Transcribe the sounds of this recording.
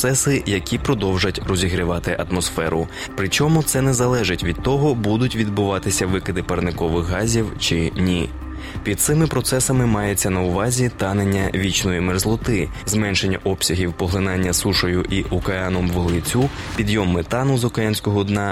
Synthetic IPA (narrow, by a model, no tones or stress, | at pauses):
sɛsɪjɐkʲipɾɔd̪ɔwʒɐtʲrɔzʲiɦɾʲɪʋɑt̪ɪʔɐt̪mɔsfɛɾʊ | pɾɪt͡ʃɔmʊt̪sɛnɛzɐlˠɛʒɪtʲʋʲid̪̚t̪ɔɦɔbud̪ʊtʲʋʲid̪bʊʋɑt̪ɪsʲɐʋɪkɪd̪ɪpɐrnɪkɔʋɪxɦɑzʲiwt͡ʃɪnʲi | pʲid̪̚t̪sɪmɪpɾɔt̪sɛsɐmɪmɑjet͡sʲːɐnɐʊʋɑzʲit̪ɑne̞nʲːɐʋʲit͡ʃnɔjimerzlˠɔt̪ɪ | zmɛnʃe̞nʲːɐʔɔpsʲɐɦʲiwpɔɦlˠɪnɑnʲːɐsuʃɔjʊʔiʔʊkɐɑnɔmʋɔlˠɪt͡sʲu | pʲid̪jɔmːet̪ɑnʊzʊkɐjanʲsʲkɔɦɔd̪nɑ